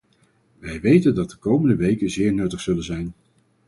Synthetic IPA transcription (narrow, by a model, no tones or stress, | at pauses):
ʋɛjʋejtəndɑt̚dəkowməndəʋejkəzɪːɹnɵtəχsɵlənzɛjn